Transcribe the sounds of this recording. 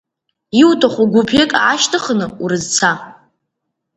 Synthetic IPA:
iwtʰʼaχʷuɡʷupʰekʼaːʃtʰɨχənɨuɾɨzt͡sʰa

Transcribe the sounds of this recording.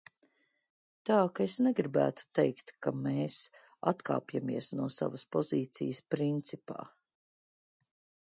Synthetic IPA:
t̪aːkaesneɡɾibæ̰ːt̪u̥t̪ɛjkt̪kameːs | at̪ka̰ːpjamiɛsnuɔsa̰vɐspɔziːt̪sḭjəspɾint̪sipa̰ː

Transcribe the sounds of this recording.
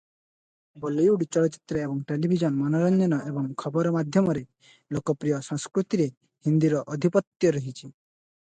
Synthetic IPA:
bɔlejuɽit͡ʃɔlɔt͡ʃi̥t̪ɾɔebɔŋʈelibʱid͡ʒɔnmɔnɔɾɔnd͡ʒɔnɔʔebɔŋkʰɔbɔɾɔmad̪ʱjɔmɔɾe | lokɔpɾijɔsɔŋskɾut̪iɾe | hind̪iɾɔʔɔd̪ʱipɔt̪jɔɾɔɦit͡ʃʰi

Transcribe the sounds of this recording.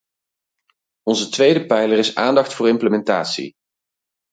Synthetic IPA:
ɔnzətʋejdəpɛjlərɪsaːndɑχtfʊːɹɪmpləmɛntaːtsḭ

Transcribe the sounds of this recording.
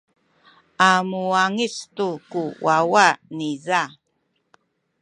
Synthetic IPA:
amuaŋistukuwawaniza

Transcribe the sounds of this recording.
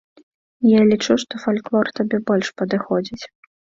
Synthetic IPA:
jalʲit͡ʂuʂt̪ɔfalʲklˠɔrt̪abʲɛbɔlʲʂpɐd̪ɨxɔd͡zʲit͡sʲ

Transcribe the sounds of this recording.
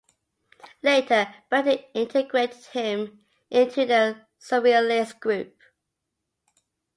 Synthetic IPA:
leɪtʰəb̥ʌtiɪ̃ntʰəɡɹeɪtɪd̥̚hɪ̃m | ʔɪ̃ntʰʉðə | səvilisɡ̥ɹʉˑp̚

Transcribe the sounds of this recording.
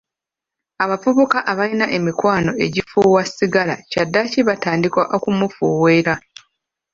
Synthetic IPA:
aβafuβukaʔaβainaʔe̞mikwaːno̞ʔe̞ɟifuwasːiɡala̰cadːaciβataːndikwaʔo̞kumufuːwe̞ːɾa

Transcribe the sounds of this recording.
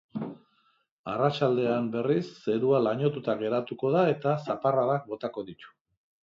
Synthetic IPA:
arat͡ʃald̪e̞ambe̞risːe̞ɾualaɲo̞t̪ut̪aɣe̞ɾat̪uko̞ð̞ae̞t̪asaparaðak̚bo̞t̪ako̞ðit̪u̥

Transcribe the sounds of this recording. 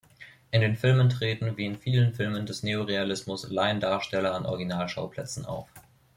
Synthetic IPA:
ʔɪndeːnfɪlməntʁ̥eːtn̩veːənfiːlənfɪlməndɛsneːoʁealɪsmʊslaɪəndaːɐʃtɛlɐanʔɔ̰ʁɡinaːlʃaʊpʰl̥ɛt͡sn̩ʔa̰ʊf

